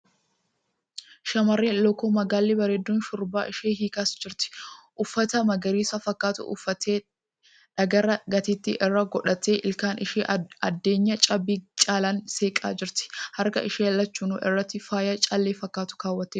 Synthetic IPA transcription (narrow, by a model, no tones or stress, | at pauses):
ʃɐmɐrːeːlɔkːomɐɡaːlːɪbɐɾeːd̪ːuːnʃʊɾba̰ːʔɪʃeːɦiːkaːsd͡ʒɪɾt̪ɪ̥ʔʊfːɐt̪ɐmɐɡɐɾiːsɐfɐkːaːt̪ʊ̰ʔʊ̰fːɐt̪ʰeː | ᶑɐɡɐɾɐɡɐt̪ɪt̪ːɪ̰ʔɪrːɐɡɔᶑɐt̪eːʔɪlkaːnɪʃeɐd̪ːe̞ːɲːɐt͡ʃʼɐbiːt͡ʃʼaːlɐnse̞ːkʼa̰ːd͡ʒɪɾt̪ɪ̥hɐɾkɐ̰ʔɪʃeːɐlːɐt͡ʃːuːnuːʔɪ̰rːɐt̪ːɪfaːjɐt͡ʃʼaːlːeːfɐkːaːt̪ʊ̥kaːwːɐt̪ːe